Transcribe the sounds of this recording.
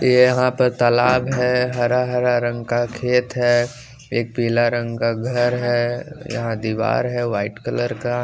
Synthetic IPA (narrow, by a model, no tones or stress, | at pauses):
jejɐɦãpəɾt̪ɐlaːbɦɛɦɐɾaɦɐɾaɾə̃ŋɡkakʰeːt̪ɦɛ | eːk̚piːlaɾə̃ŋɡkaɡʱɐɾɦɛjɐ̰ɦãd̪iːʋa̰ːɾɦɛʋaːɪʈkələɾka